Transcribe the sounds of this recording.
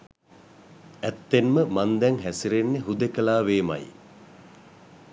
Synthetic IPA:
ɛt̪ːenməmand̪ɛŋɦæsiɾenːeɦud̪ekəlaːʋeːma̰j

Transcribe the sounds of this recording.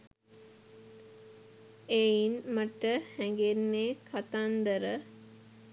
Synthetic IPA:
einməʈəhɛŋɡenːeːkʰat̪and̪əɾə

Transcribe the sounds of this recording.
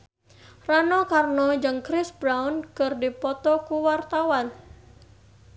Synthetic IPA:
ranɔkarnɔd͡ʒɨŋkɾɪsbɾawnkɨrdipɔt̪ɔkuwart̪awan

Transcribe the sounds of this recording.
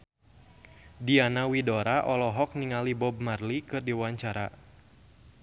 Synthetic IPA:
dianawidɔɾaʔɔlɔɦɔk̚niŋalibɔb̚marlikɨrdiwaɲt͡ʃaɾa̰

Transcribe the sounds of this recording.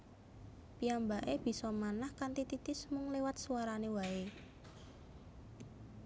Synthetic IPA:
piambaʔeb̥i̤sɔmanahkant̪it̪it̪ɪsmʊŋlewat̪̚suwaɾanewae

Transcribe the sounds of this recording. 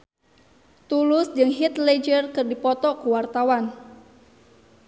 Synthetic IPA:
t̪ulʊsd͡ʒɨŋɦit̪led͡ʒərkɨrdipɔt̪ɔkuwart̪awan

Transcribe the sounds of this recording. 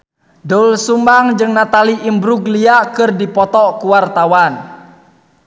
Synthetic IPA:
dɔlsumbaŋd͡ʒɨŋnat̪aliʔimbɾuɡliakɨrdipɔt̪ɔkuwart̪awan

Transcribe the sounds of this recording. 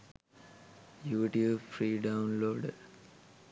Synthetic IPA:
juːʈijuːbfɾiːɖaunloːɖ

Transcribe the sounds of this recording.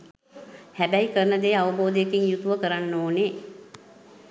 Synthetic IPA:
hæbæjkəɾənəd̪eːaʋəboːd̪əjekiŋjut̪uʋəkəɾanːoːne

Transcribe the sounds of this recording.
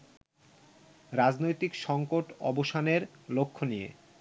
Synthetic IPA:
ɾad͡ʑnojt̪ikʃɔŋkoʈɔ̰boʃaneɾlokʰːonijḛ

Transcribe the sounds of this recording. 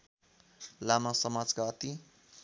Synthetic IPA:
lamasʌmad͡zkaʌt̪i

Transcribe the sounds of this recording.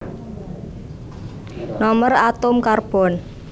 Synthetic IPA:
nɔmərat̪ʊmkarb̥ɔ̤n

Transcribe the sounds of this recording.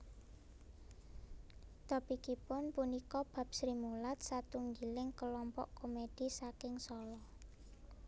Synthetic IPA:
t̪ɔpikipʊnpunikɔb̥ä̤p̚sɾimulat̪̚sat̪uŋɡilɪŋkəlɔmpɔ̰ʔkomed̥i̤sakɪŋsɔlɔ

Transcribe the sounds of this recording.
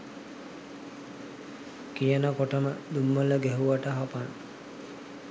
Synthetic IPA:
kijənəkoʈəməd̪umːələɡɛɦuʋaʈəɦapan

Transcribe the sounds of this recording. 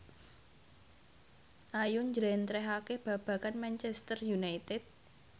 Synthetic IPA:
ʔajuɲd͡ʒɾɛnt̪ɾɛɦakeb̥ä̤b̥ä̤kanmant͡ʃɛst̪ərjunajt̪ɛt̪̚

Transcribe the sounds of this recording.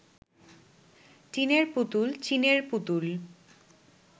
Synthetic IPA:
t͡ɕineɾput̪ult͡ɕineɾput̪ul

